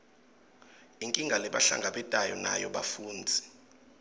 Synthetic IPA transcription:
iŋkʼiŋɡʱalɛɓaɬa̰ŋɡʱaɓɛtʼajɔna̰jɔɓafuːnd͡zʱi̥

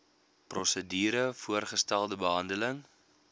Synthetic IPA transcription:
prɔsədiːɾəfuərχəstælˠdəbəɦɐndələŋ

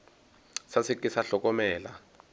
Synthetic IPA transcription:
sasikʼisaɬɔk̬ʼɔmɛːla̰

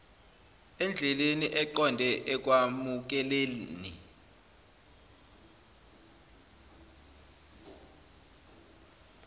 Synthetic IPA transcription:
ɛnd͡ɮʱɛleniʔɛǃɔndʱɛʔɛk̬ʼwamuk̬ɛleni

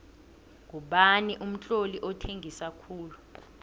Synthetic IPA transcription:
ŋʱuɓaniʔum̩t͡ɬʼoliʔɔtʰeŋʱisakʰuːlu

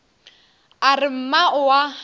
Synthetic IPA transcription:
arɪm̩maʔʊwa

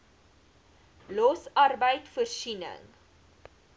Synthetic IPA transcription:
lɔsɐrbəjtfərsinə̰ŋ

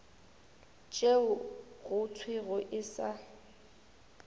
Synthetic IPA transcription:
t͡ʃʼeʊɣʊt͡sʰwɪɣʊʔɪsa

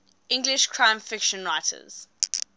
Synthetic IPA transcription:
ɪ̃ŋɡlɪʃkʰɹ̥ãɪ̃ɱfɪkʃə̃nɹaɪtʰə̰z̥

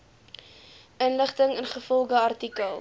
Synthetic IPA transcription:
ənləχtəŋənχəfɔlˠχəɐrtikəlˠ

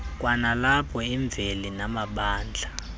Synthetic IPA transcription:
k̬ʼwanalapʰɔiɱb̪vʱelinamaɓaːnd͡ɮʱa

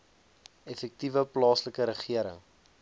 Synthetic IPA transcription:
ɛfɛk̚tivəplɑːsləkəɾəχiəɾə̰ŋ

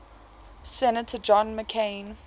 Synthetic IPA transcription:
sɛnətʰəd͡ʒɔ̃nməkʰẽɪn

